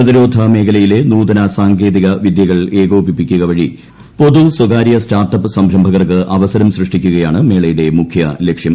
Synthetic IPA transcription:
ɐðɐɾoːd̪ʱɐme̞ːkɐlɐjile̞nuːd̪ɐnɐsaːŋɡe̞ːd̪iɣɐʋid̪jɐɣɐɭe̞ːɣoːpipːikʲːuɣɐʋɐɻi | po̞ðuswɐɡaːɾijɐstaːrʈːɐpːɨsɐmbʱɾɐmbʱɐɣɐrkɨʔɐʋɐsɐɾɐmɕrɨʂʈikʲːuɣɐjaːɳɨme̞ːɭɐjuɽe̞mukʰjɐlekʂjɐm

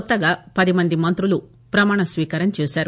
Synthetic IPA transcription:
t̪ːɐɡaːpɐd̪imɐnd̪imɐnt̪ɾulu | pɾɐmaːɳɐsʋiːkaːɾɐmt͡ʃeːsaːɾu

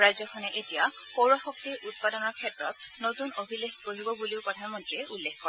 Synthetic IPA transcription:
ɹajzɔkʰɔnɛʔetija | xowɹɔxɔk̚tiɹʔut̚padɔnɔɹkʰɛtɹɔt̚notunobʱilexkoɹibɔbuliʊpɹɔdʰʱanmɔntɹiɛʔulːexkːɔɹɛ

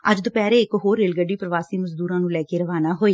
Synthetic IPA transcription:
əd͡ʒd̪opɛːɾeːɪkɦoːɾːeːlɡəɖːiːpɾəʋaːsiːməzd̪uːɾãːnũːlɛːkeːɾəʋaːnaːɦoːeː

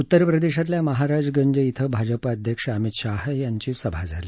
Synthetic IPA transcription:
ut̪ːəɾpɾəd̪eɕat̪ljaməɦaɾad͡zɡəɲd͡ʑəit̪ʰəbʱad͡zəpaəd̪ʱjəkʂəmit̪ɕaɦjaɲt͡ɕiːsəbʱad͡zʱaliː

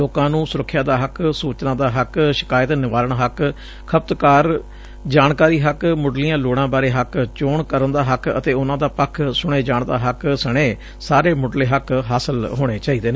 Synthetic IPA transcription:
oːkãːnũːsʊɾəkʰːjaːd̪aːɦəksuːt͡ʃnãːd̪aːɦəkʃɪ̥kaːət̪nɪʋaːləɳɦək | kʰəp̚t̪kaːɾ | d͡ʒaːɳkaːɾiːɦəkmʊɖlijãːloːɽ̃ãːbaːɾeːɦəkt͡ʃoːɳkəɾənd̪aːɦəkə̰t̪eːʊnãːd̪aːpəkʰsʊɽ̃eːd͡ʒaːɳd̪a̰ːɦəksəɽ̃eː | saːɾeːmʊɖleːɦəkɦaːsəlɦoːɽ̃eːt͡ʃaːiːd̪eːneː

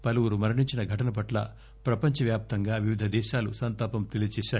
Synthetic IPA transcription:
pɐluwuɾumɐɾiɳiɲt͡ʃinɐɡʱɐʈɐnɐp̬ɐʈlɐ̰ | pɾɐpɐɲt͡ʃɐʋjaːp̚t̪ɐŋɡaːʋiʋid̪ʱɐd̪ɛːʃaːlusɐnt̪aːpɐmt̪elijɐt͡ʃɛːʃaːj

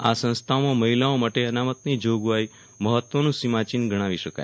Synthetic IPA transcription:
a̰sə̃ñst̪ʰaomãməɦilaomaʈeənamət̪nid͡ʒoɡʋai | məɦət̪ʋənũsimat͡ʃinɡəɽ̃aʋiʃəka̰j

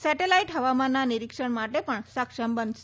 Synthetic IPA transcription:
sɛʈelaiʈɦəʋamanːaniɾikʂəɳmaʈepəɳsəkʂəmbənʃe

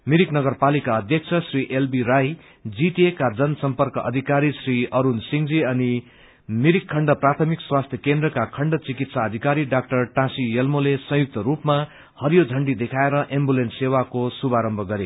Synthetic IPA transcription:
miɾiknʌɡʌrpalikaʌd̪ʱjʌk̚t͡sʰʌsriʔelbiɾaj | d͡ziʈiekad͡zʌnʌsʌmpʌrkʌʔʌ̰d̪ʱikaɾisriʌɾunsiŋd͡ziʌni | miɾikʰːʌɳɖʌprat̪ʰʌmikswast̪ʰjʌkend̪rʌkakʰʌɳɖʌt͡sikit̪saʌd̪ʱikaɾiɖak̚ʈʌrʈãsijʌlmolesʌ̃ɦjuk̚t̪ʌɾupma | hʌɾjod͡zʱʌɳɖid̪ekʰaeɾʌʔembulenssewakosubaɾʌmbʱʌɡʌɾe

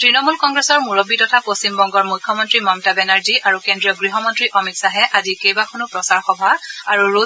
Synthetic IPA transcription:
tɹinɔmulkɔŋɡɹɛsɔɹmuɹobːitɔtʰapost͡ɕimbɔŋɡɔɹmujkʰːɔmɔntɹimamtabɛnaɹziaɹukendɹiɔɡɹiɦɔmɔntɹiʔɔmiksaɦɛʔazikejbakʰɔnupɹɔsaɹxɔbʱaaɹuɹo

